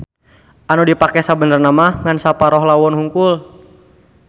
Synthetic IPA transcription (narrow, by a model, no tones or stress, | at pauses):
ʔanudipakɛsabənərnamahŋansapaɾɔɦlawɔnhuŋkʊl